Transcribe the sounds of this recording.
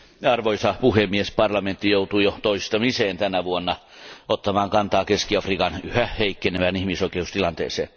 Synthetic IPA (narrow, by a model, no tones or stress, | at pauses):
ɑrʋoisɑpuhemːiespɑrlɑment̪ːijout̪uːjot̪oist̪ɑmiseːnt̪ænæʋuonːɑot̪ːɑmɑːŋkɑnt̪ɑːkeskiɑfriːkɑnyhæhheikːeneʋænihmisoikeust̪ilɑnt̪ḛːsḛːn